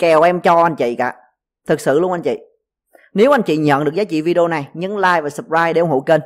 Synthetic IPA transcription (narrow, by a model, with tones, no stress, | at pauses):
kɛ˨˩wʔɛ˧mt͡ɕɔ˧ʔa˧nt͡ɕḭ˧˨ka̰ː˧˩˦ | t̪ʰɨ˨˩k̚sɨ̰˧˨lu˧ʔa˧jnt͡ɕḭ˧˨ | ne˨˦wʔa˧jn̟t͡ɕḭ˧˨ɲə̰˧˨nɗɨ˨˩ək̚zaː˨˦˥t͡ɕḭ˧˨vi˧ɗi˧o˧na˨˩jɲɨ˧˦nlaː˧jvaː˨˩sə˨˩p̚zaː˧jɗe˧˩ʔə˧ŋ͡mho̰˧˨˦jke˧n